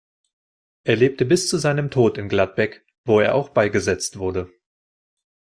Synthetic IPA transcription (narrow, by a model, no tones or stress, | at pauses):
ʔeːɐleːp̚təbɪst͡suzaɪnəmtʰoːtɪnɡlat̚b̥ɛk | v̥oːeːɐʔaʊxb̥aɪɡəzɛt͡stv̥ʊɐdə